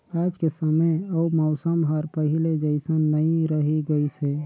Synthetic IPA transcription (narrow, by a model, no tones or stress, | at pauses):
aːd͡ʒkesəməəumɔʊsəmɦəɾpəɦiled͡ʒəɪsənːəĩɾəɦiɡəise